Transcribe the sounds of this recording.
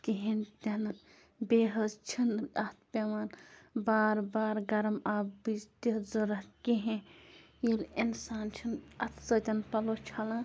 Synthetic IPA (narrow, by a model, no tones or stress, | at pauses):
kiɦẽnt̪ʲɐnɐn | beːɦɐzt͡ʃʰinɐt̪ʰpʲeʋɐnbaːɾbaːɾɡɐɾmabist̪izɐɾɐkiɦẽ | jilinsaːnt͡ʃʰinɐt̪ʰsɐt̪ʲɐnpɐlot͡ʃʰɐlɐ